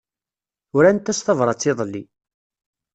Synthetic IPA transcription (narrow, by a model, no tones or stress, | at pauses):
ʊɾænt̪ːæsθɑvɾˤɑt͡sːɪðˤlːḭ